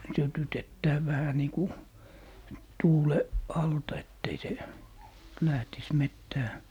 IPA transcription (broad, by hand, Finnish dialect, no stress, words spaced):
sytytetːæː ʋæhæ niː ku tuːle ɑltɑ etː ei se læhtis metːæː